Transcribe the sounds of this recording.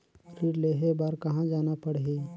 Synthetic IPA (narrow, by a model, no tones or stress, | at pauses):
ɾiːɾleːɦebaːɾkɐɦãd͡ʒaːnapɐɽɦeː